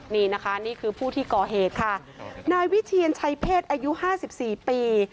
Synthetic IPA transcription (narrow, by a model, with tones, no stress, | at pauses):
niː˥˩na˦˥kʰa˦˥niː˥˩kʰɯː˧pʰuː˥˩t̪ʰiː˥˩kɔː˨˩ɦeː˨˩t̪̚kʰa˥˩ | naː˧jwi˦˥t̪ʰiː˧ənt͡ɕʰa˧jpʰeː˥˩t̪̚ʔaː˧ju˦˥ʔhaː˥˩si˨˩p̚siː˨˩piː˧